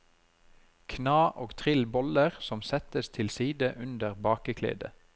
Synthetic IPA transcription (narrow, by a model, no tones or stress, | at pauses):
kʰnɑːʔoːɡt̪ʰʁɪlbɔləʁsɔmsɛt̪əst̪ʰɪlsiːd̪əʔʉnd̪əʁbɑːkəkʰlḛːd̪ə